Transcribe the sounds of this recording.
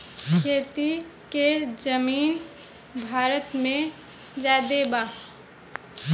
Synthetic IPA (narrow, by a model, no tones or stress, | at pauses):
eːt̪iked͡ʒəmiːn | bʱaːɾət̪mẽ | d͡ʒaːd̪ebaː